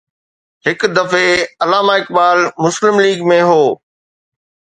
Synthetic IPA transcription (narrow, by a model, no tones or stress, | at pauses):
hɪkd̪ɐfeɐlaːmaːɪk̚ɓaːlmʊslɪmliːɡmẽɦoː